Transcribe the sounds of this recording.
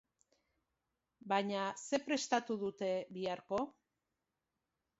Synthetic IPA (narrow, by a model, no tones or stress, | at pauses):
baɲase̞pɾe̞st̪at̪uðut̪e̞βiaɾko̞